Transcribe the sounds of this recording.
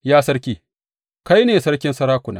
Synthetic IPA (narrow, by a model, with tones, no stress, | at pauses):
jaː˦sɐ˦ɽkʲiː˦ | ka˦jneː˨sɐ˦ɽkʲɪ˦nsɐ˦ɾaː˦kʷʊ˨na̰ː˦